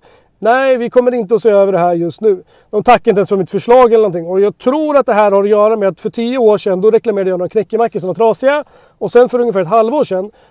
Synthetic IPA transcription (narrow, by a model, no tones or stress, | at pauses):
næɪvɪkʰɔmːəɾɪnt̪əɔseːøːvəɖɛɦæːɾjɵst̪nʉ̟ː | d̪ɔmt̪ʰakːaɾɪnt̪ɛnsfœɾmɪt̪fœʂɭɑːɡɛlənɔnt̪ʰɪŋːɔjɑːɡ̚t̪ʰɾuːɾat̪̚d̪ɛɦæːɾhaɾɔjœːɾameːat̪fœʈʰiːəoːʂɛnːd̪ɔɾɛklameːɾaɖəjɑːɡnoːɾakʰnɛkːəmakːəʂ̬ɔmvaʈ̪ʰɾɑːsɪa | ɔsɛnfœɾɵŋːəfæːɾɛt̪halvoːʂɛnː